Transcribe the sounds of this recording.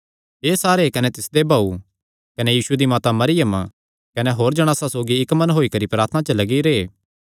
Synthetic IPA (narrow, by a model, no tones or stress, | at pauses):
ɦeːsaːɾekɐnet̪ɪsd̪ebʱaːu | kɐnejiːsued̪imaːt̪amɐɾɪjəm | kɐneɦoːɾd͡ʒɐɽ̃aːsasoːɡiɪkmɐnɦoːikɐɾipɾaːɾt̪ʰnãt͡ʃəlɐɡiɾeː